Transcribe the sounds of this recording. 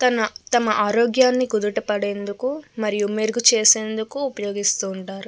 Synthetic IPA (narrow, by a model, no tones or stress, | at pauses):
t̪ɐnɐt̪ɐmɐʔaːɾoːɡjaːnːikud̪uʈɐpɐɽe̞ːnd̪ukumɐɾijumeɾɡut͡ʃeːse̞ːnd̪ukuːpɐjo̞ːɡist̪uːɳʈaːɾu